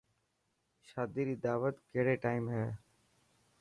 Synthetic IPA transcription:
ʃaːd̪iːɾiːd̪aːʋət̪keɦɽeːʈaːimɦɛː

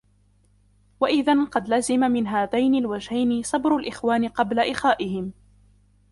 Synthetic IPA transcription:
waʔɪðanqɑd̪lazɪmamɪnɦaːðajnalwad͡ʒhajnɪsˤɑbɾʊlʔɪxwaːnɪqɑblaʔɪxaːʔɪhɪm

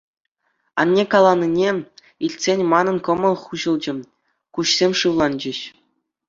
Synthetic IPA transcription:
ɑ̰nʲːekɑlˠɑnʲːinʲe | ilʲtʲsʲenʲmɑnɤ̆nkɤ̆mɤ̆lˠχuʑɤ̆lˠd͡ʑɘ̆ | kuɕsʲemʲʂɯʋlˠɑnd͡ʑɘ̆ɕ

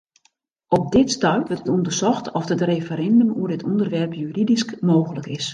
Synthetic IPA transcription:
ʔɔp̚dɪtstœɥʋətətundərsɔxtʰɔfdətrefəɾɛndømuədɪtʰundərʋɛrpjyridiskmoːɣələkɪs

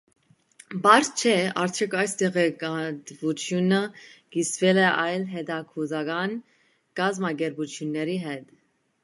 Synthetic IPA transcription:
bɑɾt͡ʃʰɛɑɾt̪ʰjɔkʰɑjst̪ɛʁɛkɑt̪vut͡sʰjunəkisvɛlɛʔɑjlɦɛd̪ɑkʰuzɑɡɑn | kɑzmɑɡɛɾput͡sʰjunːɛɾiɦɛt̪

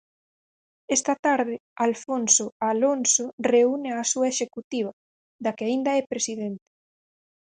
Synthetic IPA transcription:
ɛst̪ɐt̪aɾðɪalfonsoalonsoreuneasuɐeʃekut̪iβ̞ɐ | ðakɪaind̪ɐɛpɾesiðent̪ɪ̥

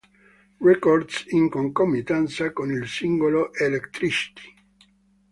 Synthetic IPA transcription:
rɛkord̪siŋkoŋkomːit̪ant̪sakonilsiŋɡoloʔelekt̪ɾisi̥t̪ʰi̥

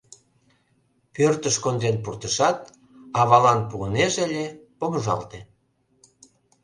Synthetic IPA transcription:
pørt̪əʃkond̪enpurt̪əʃɑt̪ | ɑβɑlɑnpuəneʒəlʲepoməʒɑ̰lt̪e

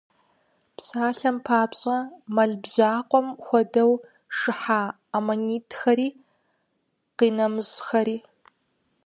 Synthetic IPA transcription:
psaːɬɐmpʰaːpɕʼɐmɐɮbʑaːqʷʼɔmxʷɔdɐw | ʂɨħaː | amoniːtʰxɐɾiː | qiːnɐmɨzxɐɾiː

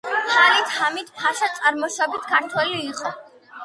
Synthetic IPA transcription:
pʰalit̪ʰamit̪ʰpʰaʃat̪sʼaɾmɔʃɔbit̪ʰɡaɾt̪ʰwɛliːqʼɔ

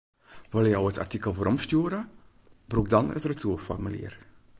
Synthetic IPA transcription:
ʋɪlˠəjɔwətʰa̰rtikəlˠvoːɾʔɔmstjuəɾə | brukdɑnə̰trətʰuəfɔ̰rmylḭər

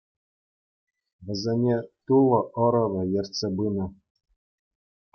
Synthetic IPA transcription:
ʋʲɘ̆zʲenʲet̪ulˠɤ̆ʔɤ̆ɾɤ̆vɤ̆jĕrʲtʲsʲebɯnɤ̆

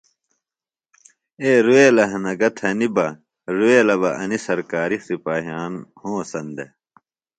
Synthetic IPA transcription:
eːɾueːlɐɦɐnɐɡɐt̪ʰɐnibɐ | ɾueːlɐbɐʔɐnisɐɾkaːɾixsipaːɦjaːnhõːsɐnd̪e

